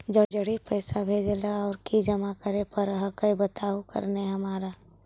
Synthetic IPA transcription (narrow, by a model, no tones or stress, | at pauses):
d͡ʒəɽd͡ʒəɽipəːsabʱeːd͡ʒlaɔːɾkid͡ʒəmakəɾepəɾɦəkəjbət̪aːukə̰ɾneɦɐmaːɾa